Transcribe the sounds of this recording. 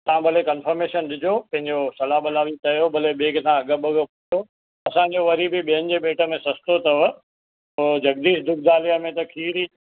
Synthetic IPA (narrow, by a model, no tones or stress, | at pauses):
t̪ɐãɓɐlekɐnfəɾmeːʃənɗɪd͡ʑopɐ̃ɦɪ̃ɲd͡ʑosɐlaɓɐlaːʋit̪ɐjobɐleɓeːɡt̪ʰãɐɡəɓəɡəpʊt̪ʰo | ɐsãːɲd͡ʑoʋɐɾibɪɓiɦənɪ̆d͡ʑeːbeːʈə̆mẽsɐst̪ot̪ɐʋə | d͡ʑɐɡd̪iːʃd̪ʊɡ̚d̪aːlijamẽt̪ɐkʰiːɾi